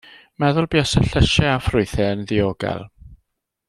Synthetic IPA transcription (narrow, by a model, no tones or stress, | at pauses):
mɛðʊlˠbiasəɬəʃɛafrʊɨθɛənðɪoːɡɛ̰lˠ